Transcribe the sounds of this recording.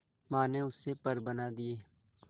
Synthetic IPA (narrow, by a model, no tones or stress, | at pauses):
mãːneʊsːepəɾbənaːd̪ieː